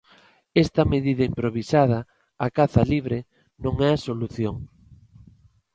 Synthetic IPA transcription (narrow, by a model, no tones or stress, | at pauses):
ɛst̪ɐmeðiðɐimpɾoβisaðɐː | kaθɐliβ̞ɾe | nõŋɛɐsoluθjoŋ